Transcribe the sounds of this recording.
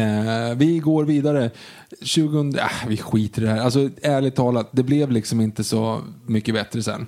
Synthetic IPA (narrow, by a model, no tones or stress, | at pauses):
vɪɡoːɾviːd̪aɾə | ɕʉ̟ːɡɵnd̪ɾaavɪɧiːt̪əɖɛhæːɾals̬ɔæːɭɪt̪ʰːɑːlat̪̚d̪ɛblɛvlɪksɔmɪnt̪əsɔ̰mʏkːəbɛt̪ɾəsɛ̰nː